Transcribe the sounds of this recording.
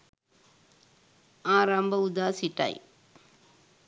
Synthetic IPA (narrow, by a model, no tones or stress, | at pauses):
aːɾambɐʊd̪aːsiʈːa̰j